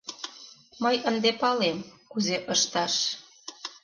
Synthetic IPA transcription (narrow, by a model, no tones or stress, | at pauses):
mɤjənd̪epɑlemkuzeʔəʃt̪ɑʃ